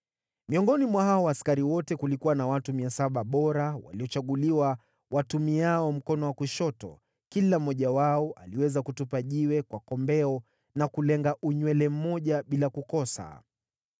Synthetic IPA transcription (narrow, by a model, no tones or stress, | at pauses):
miɔŋɡɔnimwaɦaɔwaːskaɾiwɔtɛkulikuwanawatumiasaɓaɓɔɾawa̰liɔt͡ʃaɠuliwa | watumiaɔm̩kɔnɔwakuʃɔtɔ̰ | kilam̩ːɔʄawaɔʔaliwɛzakutupaʄiwɛkwakɔmbɛɔ | nakulɛŋɡaʔuɲwɛlɛm̩mɔʄaɓilakukɔsa̰